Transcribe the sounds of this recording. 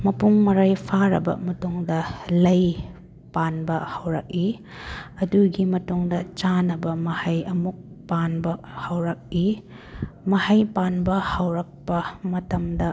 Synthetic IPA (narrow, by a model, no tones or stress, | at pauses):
mɐpuŋmɐɾajpʰaɾɐ̰bɐ̰mɐtuŋdɐlɐj | panbɐhɐwɾɐ̰k̚i | ɐduɡimɐtuŋdɐt͡ʃanɐbɐmɐhɐjɐmuk̚ | panbɐhɐwɾɐk̚i | mɐhɐjpanbɐhɐwɾɐk̚pɐmɐtɐmdɐ